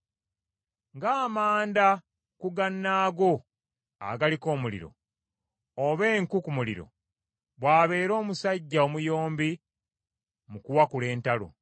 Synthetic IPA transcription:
ŋɡaːmaːnda | kuɡanːaːɡo̞ | a̰ɡaliko̞ːmulḭɾo̞̰ | oβeːŋkukumulḭɾo̰ | βwaːβe̞ːɾo̞ːmusaɟːaomujo̞ːmbi | mukuwakule̞ːntalo̰

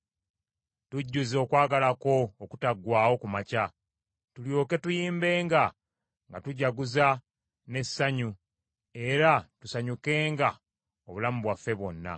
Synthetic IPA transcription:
tuɟːuzo̞ːkwaːɡalako̞ːkutaɡwaːwo̞kumaca | tuljo̞ːke̞tujiːmbe̞ːŋɡa | ŋɡatuɟaɡuza | ne̞sːaɲu | e̞ɾatusaɲuke̞ːŋɡa | o̞βulamuβwafːe̞βwo̞nːa̰

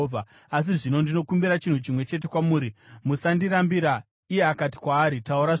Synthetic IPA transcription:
a | as̬iʐino̞ndino̞kumbiɾat͡ʃin̤ut͡ʃimwe̞t͡ʃe̞t̬e̞kwamuːɾimusandiɾambiɾa | ije̞akati̥kwaːɾitauɾa

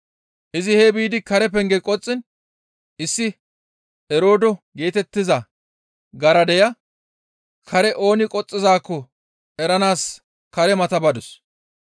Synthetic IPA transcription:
ʔɪzɪhebiːd̪ɪkɐɾɛpɛŋɡɛkʼɔt͡sʼːɪn | ʔɪsːɪ | ɛɾo̞ːd̪ɔɡe̞ːt̪ɛt̪ːɪzɐ | ɡɐɾɐd̪ɛjɐ | kʰɐɾɛʔo̞ːnɪkʼɔt͡sʼːɪzaːkːɔ | ɛɾɐnaːs | kɐɾɛmɐt̪ɐbɐd̪ʊs

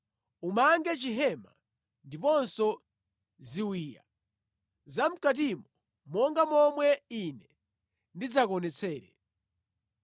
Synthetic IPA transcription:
umaŋɡɛt͡ʃiɦɛma̰ | ndipɔnsɔ | ziwiːja̰ | zam̩kat̬imɔ | mɔŋɡamɔmwɛinɛ | ndid͡zakɔnɛt͡sʰɛːɾɛ

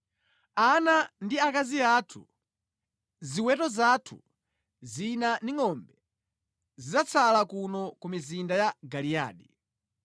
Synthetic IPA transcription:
anandiakaziatʰṵ | ziwɛtɔzatʰṵ | zinandiŋɔmbɛ | zizat͡sʰalakunɔkumizindajaɡalia̰ːɗi

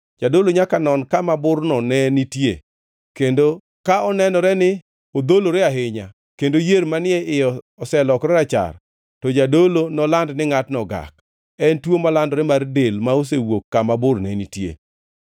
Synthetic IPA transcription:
d͡ʒadoloɲakanɔnkamabʊɾnɔnɛnitjḛ | kendo | kaɔnɛnɔɾɛnɪ | od̪oloɾɛaɦɪɲa̰ | kendojeɾmanɪɛʔɪjɔ | ɔsɛlɔkɾɛɾat͡ʃa̰r | tɔd͡ʒadolonɔlandnɪŋatnɔɡa̰k̚ | ɛntwomalandɔɾɛmardelmaos̬ewokːamabʊrnɛnitjḛ

